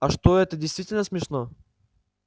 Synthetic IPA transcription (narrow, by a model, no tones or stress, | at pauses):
ɐʃt̪oɛt̪əd̪ʲɛjst̪vʲitʲɪlʲnəsmʲɛʃno